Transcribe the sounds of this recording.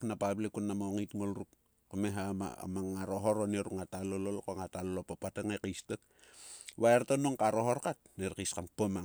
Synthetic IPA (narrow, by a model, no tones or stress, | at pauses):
knapablekunːamoŋitŋolɾuk | komeɦama̰maŋːaɾoɦoɾoneɾukŋatalololkoŋatalolopopateŋekijstek | βaeɾtonoŋkaɾoɦoɾkat̚neɾkiskanpoma